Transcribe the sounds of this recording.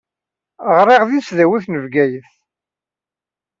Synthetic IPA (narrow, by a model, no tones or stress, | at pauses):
ʁɾˤiʁðisðæwiθnəvɡæjəθ